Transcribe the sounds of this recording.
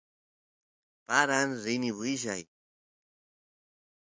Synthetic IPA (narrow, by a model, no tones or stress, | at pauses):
paɾanɾɪniβiʒa̰j